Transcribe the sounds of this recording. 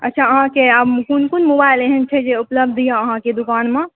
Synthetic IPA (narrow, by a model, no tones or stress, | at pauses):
ə̰tːt͡ʃʰaəɦãkeəkunkunmobaɪleɦɛnt͡ʃʰɛd͡ʒeupləbd̪ijãəɦãked̪ukaːnmẽ